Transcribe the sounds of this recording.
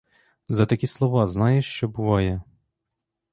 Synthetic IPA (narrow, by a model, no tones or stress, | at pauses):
zɐt̪ɐkʲislˠɔʋɑznɑjɛʃt͡ʃɔbʊʋɑjɛ